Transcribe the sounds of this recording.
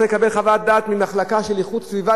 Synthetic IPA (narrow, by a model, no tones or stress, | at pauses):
lekabe̞lχavat̪̚d̪aːt̪mimaχlakaʃeliχut̪sviva